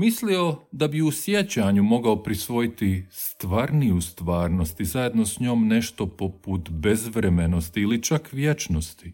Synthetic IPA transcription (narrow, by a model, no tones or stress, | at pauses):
mislio̞d̪abiusjet͡ɕaɲumo̞ɡaopɾisʋo̞jit̪ist̪ʋaːɾnijust̪ʋaːɾno̞st̪izaje̞d̪nosɲo̞mne̞ʃt̪o̞po̞put̪be̞zʋɾemeno̞st̪iːlit͡ʃakʋjet͡ʃnost̪i̥